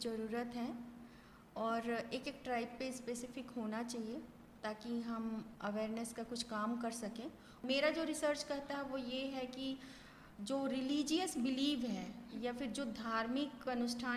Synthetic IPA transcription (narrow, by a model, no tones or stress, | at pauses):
d͡ʒɐɾuːɾət̪ɦɛ̃ː | ɔːɾeːkeːk̚ʈɾaːɪb̚pːespeːsɪfɪkɦoːnat͡ʃaːɦie | t̪aːkiɦɐmɐʋeːɾnəskakʊt͡ʃʰkaːmkɐɾsɐkẽː | meːɾad͡ʒoːɾɪsəɾt͡ʃkɐɦt̪aɦɛʋojeɦɛki | d͡ʒoːɾɪliːd͡ʒijəsbɪliːʋɦɛːjafɪɾd͡ʒoːd̪ʱaːɾmɪkɐnʊʃʈʰaː